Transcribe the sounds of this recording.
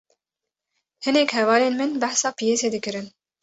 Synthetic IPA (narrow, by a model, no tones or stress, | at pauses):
hɨnɛkhɛvɑːleːnmɨnbæħsɑːpijeːseːd̪ɨkɨɾɨn